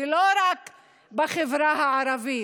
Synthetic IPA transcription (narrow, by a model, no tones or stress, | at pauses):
loɾak | baχevɾahaʕaɾavi